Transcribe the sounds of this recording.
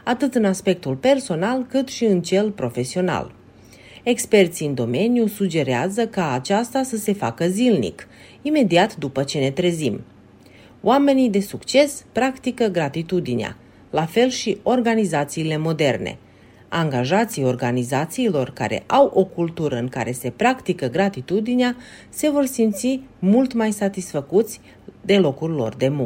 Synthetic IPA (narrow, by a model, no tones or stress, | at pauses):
at̪ɨt̪ɨnaspe̞k̚t̪ulpe̞rso̞nalkɨt̪ʃiɨnt͡ʃe̞lpɾo̞fe̞sio̞na̰l | e̞kspe̞rt̪siɨnd̪o̞me̞nijusud͡ʒe̞ɾeazəkaːt͡ʃast̪asəse̞fakəzilnḭk | ime̞d̪iat̪d̪upət͡ʃe̞ne̞t̪ɾe̞zim | w̰ame̞nid̪e̞sukt͡ʃe̞spɾakt̪ikəɡɾat̪it̪ud̪inea̰ | lafe̞lʃio̞rɡanizat̪siːle̞mo̞d̪e̞rne̞̰ | aŋɡaʒat̪sijo̞rɡanizat̪siːlo̞rka̰ɾe̞̰ʔawʔo̞kult̪uɾəɨŋkaɾe̞se̞pɾakt̪ikəɡɾat̪it̪ud̪inea | se̞vo̞rsimt̪simult̪majsat̪isfəkut̪sʲ | d̪e̞lo̞kurʲlo̞̰rd̪e̞mu